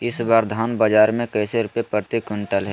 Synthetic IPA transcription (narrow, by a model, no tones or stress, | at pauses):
ɪsbaːɾd̪ʱaːnbəd͡ʒaːɾmẽkəːseɾʊpjepəɾt̪ikʊ̃ɳʈəlɦɛ